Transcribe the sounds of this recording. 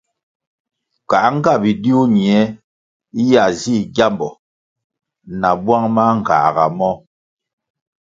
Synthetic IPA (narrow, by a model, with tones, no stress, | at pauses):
ka˨˦ŋ̩˦ɡa˦˨bi˨di˦u˦ɲi˨ɛ˨˦ | i˦ja˨zi˦ɡja˦mbɔ˨ | na˨bwa˦ŋma˦ŋ̩˨ka̰˨ɣa̰˨mɔ˦